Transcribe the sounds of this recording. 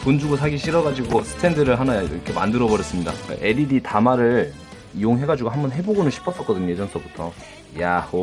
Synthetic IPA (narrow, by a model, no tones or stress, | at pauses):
pond͡ʑuɡosʰaɡiɕʰiɾʌɡad͡ʑiɡosʰɯ̥tʰe̞ndɯɾɯɭɦanaḭɾʌkʰe̞ma̰ndɯɾʌbʌɾjʌs͈ɯmɲida̰k͈a̰ʔe̞ɾiditamaɾɯɭ | ijoŋɦe̞ɡad͡ʑuɡoɦambʌnɦe̞boɡonɯnɕʰi̥pʰʌs͈ʌk͈ʌdɯɲojed͡ʑʌŋsʰʌbutʰʌ | jaho